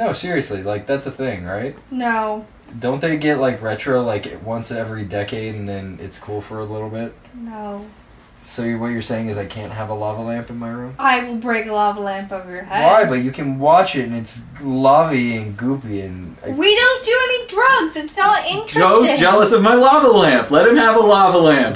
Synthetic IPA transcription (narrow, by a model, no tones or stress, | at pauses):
noʊsɪɹiɨslilaɪk̚ðætsɨθɪ̃ŋɹaɪt̚noʊ | d̥õʊ̃n̚ðeɪɡɛʔlaɪkɹɛt͡ʃɹ̥oʊlaɪkwʌ̃nsɛvɹidɛkeɪɾɨ̃n̩ðɨ̃nɪ̰tskʰulˠfə˞əlɪɾl̩ˠbɪt̚noʊ | soʊwʌt͡ʃə˞seɪɪ̃ŋɨzaɪkʰæ̃ntʔɦəvəlʌvəlæ̃mpɨ̃n̩maɪɹũmaɪwɪlˠbɹeɪkəlɑvlæ̃mpʌvə˞jə˞hɛwaɪbʌt͡ʃɨkʰɨ̃nwɑt͡ʃɪtɨ̃nɨts | lʌviɨ̃nɡupiɨ̃n | a̰ɪwiɾõʊ̃nd̥ɨɛnidɹʌɡzɨtsaʊɪ̃nt͡ʃɹɡ̥oʊd͡ʒɛlˠəsʌvmaɪlʌvəlæ̃mplɛt̚hɨ̃mɨvəlɑʌvəlæ̃mp̚